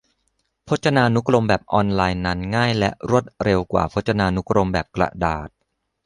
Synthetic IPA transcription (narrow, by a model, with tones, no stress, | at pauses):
pʰo˦˥t̪̚t͡ɕʰa˧naː˧nu˦˥kɾo˧mbɛː˨˩p̚ʔɔː˧nlaː˧jna˦˥nŋaː˥˩jlɛ̰˦˥ʔɾu˥˩ət̪̚ɾe˧wkwa̰ː˨˩pʰo˦˥t̪̚t͡ɕa˧naː˧nu˦˥kɾo˧mbɛː˨˩p̚kla̰˨˩ʔdaː˨˩t̪̚